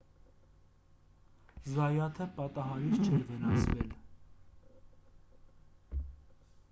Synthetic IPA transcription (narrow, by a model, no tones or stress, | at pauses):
zɑjɑt̪ʰəpɑt̪ɑɦɑɾit͡st͡ʃʰɛɾvənɑsʰvɛ̰l